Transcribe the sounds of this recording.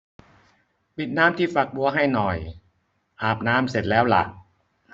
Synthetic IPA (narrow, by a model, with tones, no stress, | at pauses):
pi˨˩t̪̚naː˦˥mt̪ʰiː˥˩fa˨˩k̚bu˧ɐɦa˥˩jnɔ˨˩j | ʔaː˨˩p̚naː˦˥mse˨˩t̪̚lɛː˦˥wla̰˨˩ʔ